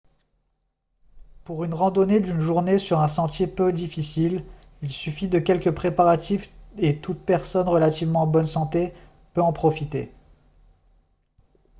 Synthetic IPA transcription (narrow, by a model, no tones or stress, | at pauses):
puʁynʁɑ̃d̪ɔned̪ynʒuʁnesyʁɛ̃sɑ̃t̪jepød̪ifisil | ilsyfid̪əkʲɛlkəpχepaʁat̪ifet̪ut̪̚pɛʁsɔnʁəlat̪ivmɑ̃bɔnsɑ̃t̪e | pøɑ̃pχɔfit̪ḛ